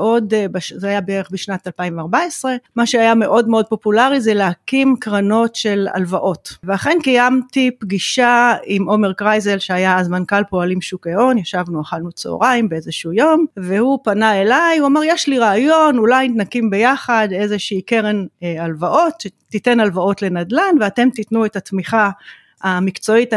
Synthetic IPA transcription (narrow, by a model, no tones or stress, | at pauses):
o̞dbaʃzeajabeeeχbiʃnatalpainveaʁbaesʁe̞maʃeajame̞ʔo̞dmeo̞d̪̚po̞pulaʁizɛleakimkʁano̞tʃe̞la̰lvaʔo̞tveaχe̞nkajamtipɡiʃaimʔo̞me̞ʁkʁajze̞lʃeajazmankalpo̞alimʃukeo̞njaʃavnuaχalnut͡so̰ʁaimbeezeʃujo̞mvehupanae̞lajuamaʁjeʃliʁaːjo̞nulajit̪nakimbe̞jaχad̪e̞zeʃiike̞ʁenalvaʔo̞tʃe̞tite̞nalvao̞tle̞nad̪lanveate̞mt̪itnuetatmiχa | amikt͡so̞it